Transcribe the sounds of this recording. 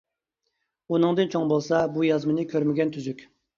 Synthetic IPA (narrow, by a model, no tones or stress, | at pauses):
unɨŋd̪ɨnt͡ʃʰoŋbolˠsɑbujɑzmɨnɨkʲʰøɾmɪɡʲɛnt̪ʰyzykʲ